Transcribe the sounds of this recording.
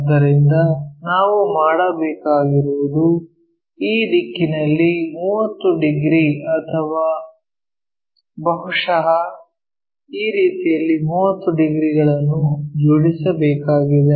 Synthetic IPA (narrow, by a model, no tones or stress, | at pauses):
d̪ɐɾind̪ɐnaːʋumaːɽɐbɛːkaːɡiɾuʋud̪u | iːd̪ikːinɐlːimuːʋɐt̪ːuɖiɡɾiɐt̪ʰɐʋaː | bɐɦuʂɐɦɐ | iːɾiːt̪ijɐlːimuːʋɐt̪ːuɖiɡɾiɡɐɭɐnːud͡ʒoɽisɐbɛːkaːɡid̪e